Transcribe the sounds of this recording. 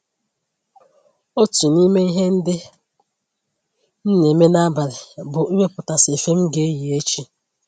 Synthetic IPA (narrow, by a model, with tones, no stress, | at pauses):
o˦tu˨ni˦me˦i˦ɦe˦n̩˦dɪ˦ | n̩˦ne˨me˦na˦ba˨ɾɪ˨bʊ˨i˦we˦pʊ˨ta˨se˨fe˦m̩˦ɡe˨e˦ji˨e˦t͡ʃi˦